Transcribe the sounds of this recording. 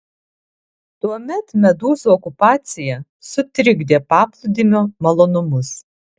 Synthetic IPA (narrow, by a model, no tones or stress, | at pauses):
t̪uɔmʲɛt̪mʲɛd̪uːzuɔkʊpɑːt̪sʲɪjɛ | sʊt̪ʲɾʲɪɡd̪ʲeːpɑːplˠʊd̪ʲɪmʲomɐlˠoːnʊmʊs